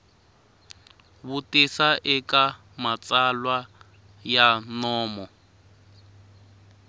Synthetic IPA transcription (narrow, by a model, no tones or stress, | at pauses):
βutesaʔɪka | mat͡sʼalwa | janɔːmɔ